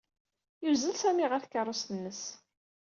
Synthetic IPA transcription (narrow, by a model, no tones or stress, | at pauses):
juzəlsæmiʁəɾθkːərˤːost̪ənːəs